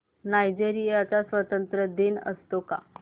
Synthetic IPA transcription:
najd͡ʑeɾijat͡sasʋət̪ənt̪ɾəd̪enə̰st̪oka̰

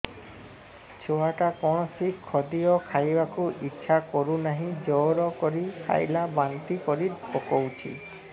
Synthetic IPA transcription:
t͡ʃʰoaʈakɔɽ̃ɔsikʰːɔd̪iɔkʰajbakuʔitːʃʰakɔɾunaɦĩd͡ʒɔɾɔkɔɾikʰa̰jlabant̪ikɔɾiɾpɔkɔwt͡ʃʰḭ

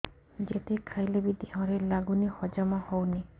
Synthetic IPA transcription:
d͡ʒet̪ekʰajlebid̪eɦɔ̃ɾelaɡunihɔd͡ʒamahowne

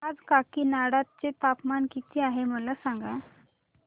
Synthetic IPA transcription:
ad͡zkakiːnaɽat̪̚t͡set̪apmankit̪iːaɦeməlasaŋɡa

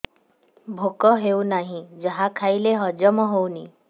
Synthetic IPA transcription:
bʱokɔɦewnaɦĩd͡ʒəɦakʰajleɦɔd͡ʒɔmɔɦowni

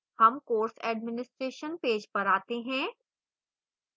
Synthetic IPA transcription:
hɐmkoːɾsɛːɖmɪnɪsʈɾeːʃənpeːd͡ʒpɐɾaːt̪eɦɛ̃ː

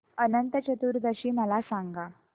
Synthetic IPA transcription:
ənənt̪ət͡ɕət̪uːɾd̪əɕiːməlasaŋɡa

